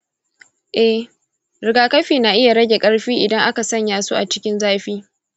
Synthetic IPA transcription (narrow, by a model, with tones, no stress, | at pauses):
ʔɛ˦h | ɾɪ˨ɡaː˨kɐ˦ɸiː˨na˨ʔɪ˦ja˨ɽɐ˦ɡʲe˨kʼɐ˦ɽɸiː˦ʔɪ˨dɐ˦ŋʔa˦ka˨sɐ˦ɲjaː˨sṵ˦ʔa˨t͡ʃɪ̥˦kʲɪ˦nzaː˦ɸiː˦